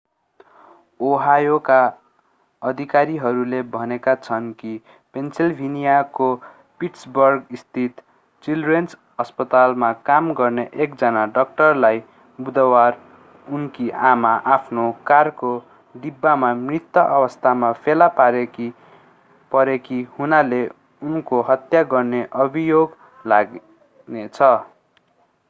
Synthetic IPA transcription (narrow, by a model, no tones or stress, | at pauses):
oɦajoka | ʌd̪ʱikaɾiɦʌɾulebʱʌnekat͡sʰʌnki | pensilbʱinijako | piʈsbʌrɡist̪ʰit̪ | t͡silrens | ʌspʌt̪almakamɡʌrneʔekd͡zʌnaɖʌk̚ʈʌrlaj | bud̪ʌwar | unkiʔamaʔapʰnokarko | ɖibːamamrit̪jʌʔʌbʌst̪ʰamapʰelapaɾeki | pʌɾekihunale | unkoɦʌt̪jaɡʌrneʔʌbʱijoɡ | laɡ | net͡sʰʌ